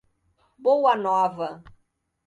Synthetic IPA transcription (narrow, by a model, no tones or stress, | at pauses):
bowanɔvɐ